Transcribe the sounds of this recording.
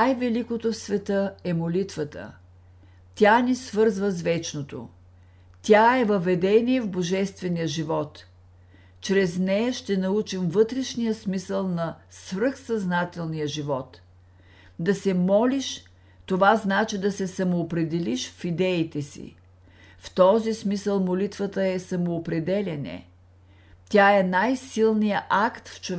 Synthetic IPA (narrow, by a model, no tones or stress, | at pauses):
najvɛlikot̪ofsvɛt̪əɛmolit̪vət̪ə̰ | t̪ʲanisvɤɾzvəzvɛt͡ʃnot̪o̰ | t̪ʲaɛvɐvɛd̪ɛnʲiɛvboʒɛst̪vɛnijəʒivɔt̪ː | t͡ʃɾɛznɛjəʃt̪ɛnɐut͡ʃimvɤt̪ɾɛʃnijəsmisəlˠnɐsvɾɤxsɐznat̪ɛlˠnijəʒivɔt̪ | d̪ɐsɛmɔliʃ | t̪ovaznat͡ʃid̪ɐsɛsɐmoːpɾɛd̪ɛliʃfid̪ɛit̪ɛsḭ | ft̪ɔzismisəlˠmolit̪vət̪əɛsɐmoːpɾɛd̪ɛlʲɛnɛ̰ | t̪ʲaɛnajsilˠnijəʔakt̪ft͡ʃov